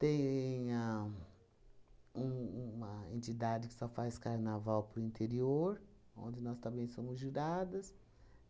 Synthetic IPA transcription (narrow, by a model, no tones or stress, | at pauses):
t̪ẽj̃a | ũũɐḛ̃nt͡ʃid̪ad͡ʒɪkɪ̥sɔfajskaɾnavawpɾʊĩnt̪eɾioɾ | õ̰nd͡ʒɪnɔst̪ɐ̃mbẽj̃sõmʊzʒiɾad̪ɐs